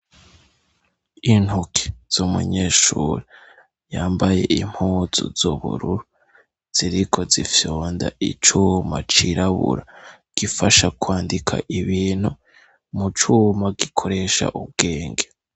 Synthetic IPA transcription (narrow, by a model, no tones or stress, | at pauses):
in̥hukʰi̥z̥umṵɲeːʃṵɾe | jaːmbaje̞̰ʔim̥huːz̥ṵz̥uβṵɾuɾu | z̥iɾikʰo̞zifjoːnda̰ḭt͡ʃumat͡ʃiɾaβṵɾa | ɡ̥ifaʃakwaːndikʰa̰ʔiβiːn̥hu | mut͡ʃuːmaɡikʰo̞ɾe̞ʃa̰ʔub̚ɡe̞ːŋɡe